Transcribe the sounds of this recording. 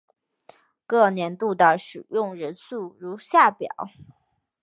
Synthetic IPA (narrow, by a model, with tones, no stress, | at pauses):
kɤ˥˩njɛ˧˥nt̪u˥˧t̪ə˩ʂɻ̩˨˩jʊ˥˩ŋɻə˧˥nsu˥˩ɻu˧˥ɕja˥˩pjɑ̰˨˩˦ʊ